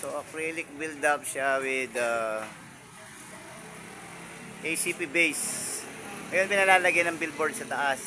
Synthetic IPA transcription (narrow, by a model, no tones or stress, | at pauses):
soʔɐkɹilɪk̚bɪld̪ap̚ʃawɪd̪ɐ | ʔejsiːpibejs | ŋɐjonmɪnɐlaːlɐɡɐjnɐŋbɪlboɹd̪sɐt̪ɐʔas